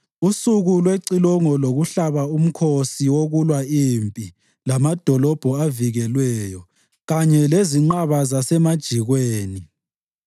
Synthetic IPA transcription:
usuɣulweǀilɔŋɔloɣuɬaβaum̩kʰosiwoɣulwaimpʼi | lamad̥ʱɔlɔb̥ʱɔaviɣɛlwɛːjɔ | ɣaɲɛleziŋ͡ǃaβazasɛmad̥ʒ̥ʱiɣweːni

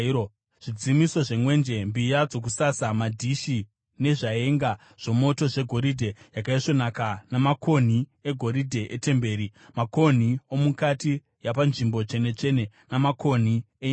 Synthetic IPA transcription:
ʐ̥id͡zimiso̞ʐe̞mwe̞nd͡ʒe̞mbijad͡zo̞k̬usasamadʱiʃi | ne̞ʐae̞ŋɡa | ʐ̥o̞mo̞to̞ʐe̞ɡʱo̞ɾidʱe̞jakaiʂo̞nakanamako̞n̤ie̞ɡʱo̞ɾidʱe̞ʔete̞mbe̞ːɾimako̞n̤io̞mukati | japanʐimbo̞t͡ʃe̞ne̞t͡ʃe̞ne̞ | namakʰo̞n̤i | e

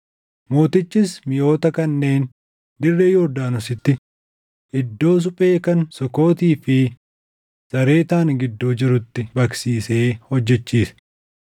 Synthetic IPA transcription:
mo̞ːt̪ɪt͡ʃːɪsmɪjo̞ːt̪ɐkɐnːe̞ːn | d̪ɪrːeːjoːɾd̪aːnʊsɪt̪ːɪ | ʔɪd̪ːo̞ːs̬ʊpʼe̞ːkɐnsɔko̞ːt̪iːfɪ | sɐɾe̞ːt̪aːŋɡɪd̪ːoːd͡ʒɪɾʊt̪ːɪbɐksiːse̞ːhɔd͡ʒːɛt͡ʃːiːsɐ̥

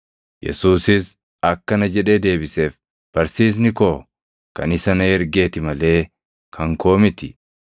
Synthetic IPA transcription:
jʔɛ̰suːsɪs | ɐkːɐnɐd͡ʒɛᶑe̞ːd̪e̞ːbɪse̞ːf | b̥ɐɾsiːs̬nɪkoː | kɐnɪsɐnɐɛɾɡeːt̪ɪmɐle̞ː | kʰɐŋkʰo̞ːmɪt̪ɪ

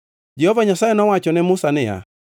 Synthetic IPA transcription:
d͡ʒɛhɔvaɲasaɛnɔwat͡ʃɔnɛmusanɛja̰

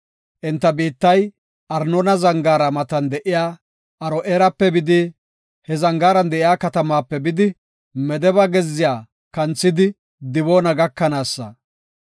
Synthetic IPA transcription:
ʔɛnt̪ːɐbiːt̪ːɐj | ʔɐɾnɔnɐzɐŋɡaːɾɐmɐt̪ɐnd̪ɛʔɪjaː | ʔɐɾɔʔeːɾɐpːɛbɪd̪ɪ | hɛzɐŋɡaːɾɐnd̪ɛʔɪjaːkɐt̪ɐmaːpːɛbɪd̪ɪ | mɛd̪ɛbɐɡɛzːɪjaː | kɐnt͡sːɪd̪ɪ | d̪ɪboːnɐɡɐkːɐnaːsːɐ̰

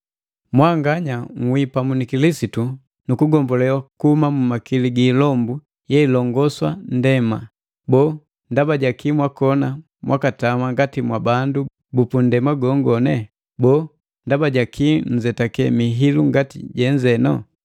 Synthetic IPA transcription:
mwaŋɡaɲaŋ̩wipamunikilisitu | nukuɡɔmbɔlɛwakuhumamumakiliɡiːlɔmbu | jɛilɔŋɡɔswa̰ndɛma | bɔː | ndabaɟakimwakɔna | mwʔakatamaŋɡatimwabandu | bupundɛmaɡɔŋɡɔnɛ | bɔː | ndabaɟakʰin̩d͡ʒɛtakɛmiɦiluŋɡatḭɟɛɲd͡ʒɛnɔ̰

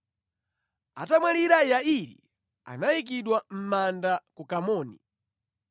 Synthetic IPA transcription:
atamwaliɾajaiɾḭ | a̰naik̬iɗwam̩mandakukamɔːni

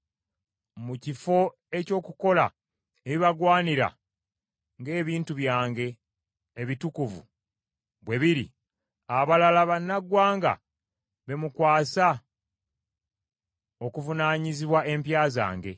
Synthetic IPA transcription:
mucifo̞ | e̞co̞ːkuko̞la̰ | eβiβaɡwaːniɾa̰ | ŋɡe̞ːβiːntuβjaːŋɡe̞ː | βitukuvṵ | βwe̞βiɾḭ | aβalalaβanːaɡwaːŋɡa̰ | βe̞mukwaːsa | o̞kuvunaːɲiziβwaʔe̞mpjaːza̰ːŋɡe̞

